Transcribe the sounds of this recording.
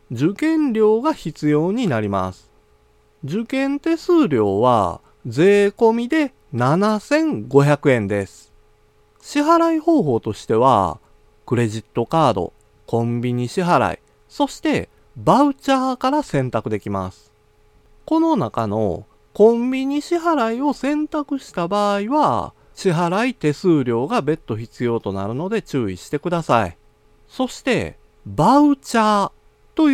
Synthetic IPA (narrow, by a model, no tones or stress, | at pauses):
d͡ʑɨkẽ̞nɾʲo̞ːɡaçit͡sɨjo̞ːɲ̟inaɾʲima̰sɨ̥ | d͡ʑɨkẽ̞nt̪e̞sɨːɾʲo̞ːβa̰ | d͡ze̞ːko̞mʲid̪e̞ | nanasẽ̞ŋɡo̞çakɯ̟ẽ̞nd̪e̞sɨ̥ | ɕiɦaɾaiho̞ːɦo̞ːt̪o̞ɕi̥t̪e̞βa̰ | kɯ̟ɾe̞ʑit̪ːo̞kaːd̪o̞̰ | kʰõ̞mbʲiɲ̟iɕiɦaɾa̰ḭ | so̞ɕi̥t̪e̞ | baɯ̟t͡ɕaːkaɾasẽ̞nt̪akɯ̟d̪e̞kʲima̰sɨ̥ | ko̞no̞nakano̞̰ | kõ̞mbʲiɲ̟iɕiɦaɾaio̞sẽ̞nt̪akɯ̟ɕi̥t̪abaːiβa | ɕiɦaɾait̪e̞sɨːɾʲo̞ːɡabe̞t̪ːo̞çit͡sɨjo̞ːt̪o̞naɾɯ̟no̞d̪e̞t͡ɕɨːiɕi̥t̪e̞kɯ̟d̪asaḭ | so̞ɕi̥t̪e̞ | baɯ̟t͡ɕaː | t̪o̞